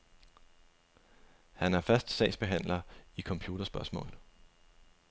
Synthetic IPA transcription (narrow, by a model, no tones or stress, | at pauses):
hænæɐfɶɐsd̥sɛ̰ɪsb̥e̝ɦæn̰lɐikʰɒ̽mpʰjuːd̥ɐsb̥ɶɐsmɔ̰̽ːl̩ˠ